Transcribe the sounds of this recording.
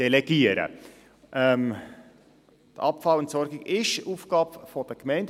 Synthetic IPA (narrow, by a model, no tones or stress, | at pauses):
ɛlɛɡ̥iəɾə̰ | ʔɛm | d̥əɑpfɑləntsɔɾɡɪɡɪʃuːfɡ̥ɑːbfɔd̥əkmɛɪnd